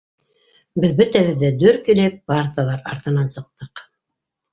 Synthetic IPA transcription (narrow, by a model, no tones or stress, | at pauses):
bɘðbɵt̪æβɘ̆ðːæd̪ɵɾkĭlɘp̚ːɑrt̪lˠɑɾɑ̰ɾt̪ɤ̆nɑnsɤ̆q̚t̪ɤq